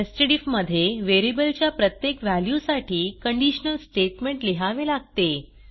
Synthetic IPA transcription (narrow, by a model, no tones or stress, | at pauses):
esʈeʈifməd̪ʱːjeʋeɾibəlt͡ɕjapɾət̪jekʋæljusaʈʰiːkəɳɖiɕənəlsʈeʈmẽɳʈleɦaʋelaɡ̚t̪e